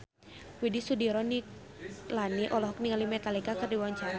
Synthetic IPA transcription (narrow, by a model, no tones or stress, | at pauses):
widisudiɾɔni | laniʔɔlɔɦɔk̚niŋalimɛt̪alikakɨrdiwaɲt͡ʃaɾa